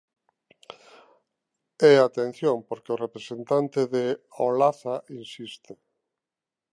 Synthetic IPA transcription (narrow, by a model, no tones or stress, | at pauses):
ɛat̪en̟θjoŋpoɾkeʊrepɾesent̪ant̪eðeolaθaʔinsist̪e